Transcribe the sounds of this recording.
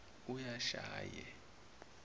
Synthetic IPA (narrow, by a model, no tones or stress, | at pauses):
ujaʃa̰ːjɛ̰